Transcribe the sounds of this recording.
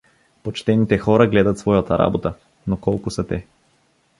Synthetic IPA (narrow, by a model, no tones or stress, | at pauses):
pot͡ʃt̪ɛnit̪ɛxɔɾəɡlɛd̪ɐt̪svɔjat̪ɐɾa̰bot̪ə | nokɔlˠkʊsɐt̪ɛ